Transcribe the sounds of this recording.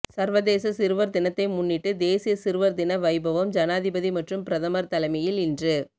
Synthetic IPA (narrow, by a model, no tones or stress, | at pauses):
sɐɾʋɐðeːsɐsɪɾɯʋɐɾd̪ɪnɐt̪ːɐɪmʊnːɪʈːɯd̪eːsɪjɐsɪɾʋɐɾd̪ɪnɐʋɐɪbɐʋɐmd͡ʒɐnaːðɪbɐðimɐʈrɯmpɪɾɐðɐmɐɾt̪ɐlɐɪmɐjɪlɪndrɯ